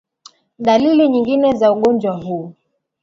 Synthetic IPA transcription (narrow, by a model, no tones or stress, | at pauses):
ɗaliliɲiŋɡinɛzauɠɔnd͡ʒwaɦu